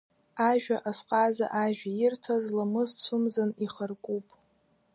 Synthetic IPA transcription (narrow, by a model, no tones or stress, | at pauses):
aʒᶣaʔasqʼaza̰ʔaʒᶣajɪrtʰazlamɨzt͡sʷʰʊmzaniχərkʷʼupʼ